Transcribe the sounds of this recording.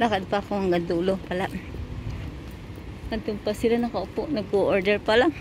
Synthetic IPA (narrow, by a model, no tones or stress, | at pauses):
lakad̪̚pakoŋaŋɡand̪ulopalaʔ | ant̪ʊŋpasɪlanakaʊpʊʔnaɡoʔoɾdɛɹpala